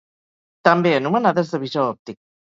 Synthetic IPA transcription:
t̪ambenumanaðezðəβiʒaɔp̚t̪ik̚

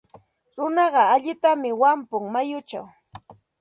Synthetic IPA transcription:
ɾʊnɑɢɑaʎɪt̪amɪwampʊŋmajʊt͡ʃa̰w

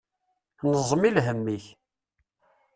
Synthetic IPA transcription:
nəzˤəmilɦəmːiç

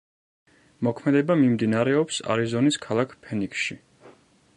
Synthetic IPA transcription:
mɔkʰmɛd̪ɛbamimd̪inaɾɛɔpsa̰ɾizɔniskʰalˠakʰpʰɛniksʃi

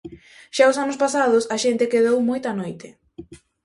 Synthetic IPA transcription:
ʃaʊsanʊspasaðʊsɐʃent̪ɪkeðowmojt̪ɐanojt̪ɪ

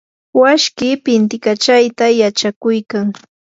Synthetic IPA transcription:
waʃkɪpɪnt̪ɪkat͡ʃajt̪ajat͡ʃakʊjkaŋ

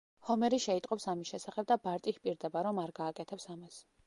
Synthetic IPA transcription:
hɔmɛɾiʃɛit̪ʼqʼɔpsamisʃɛsaχɛb̚d̪abaɾt̪ʼikpʼiɾd̪ɛbaɾɔmaɾɡaːkʼɛt̪ʰɛpsamas

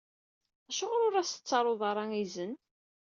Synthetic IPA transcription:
æʃʊʁɾʊɾæsə̥t͡sːɑɾˤoðˤɑɾˤɑŋizən

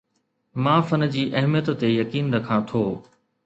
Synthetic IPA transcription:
mãːfɐn̆d͡ʑiːʔɐɦmijət̪ːejɐkiːnd̪ɐkʰãːt̪ʰoː

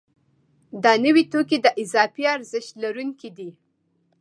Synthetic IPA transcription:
d̪ɑnəwit̪okid̪əʔɪzɑfiaɾzɪʃt̪laɾuŋkid̪i

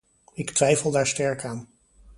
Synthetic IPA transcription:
ɪktʋɛjfəlˠdaːɹstɛɹkaːn

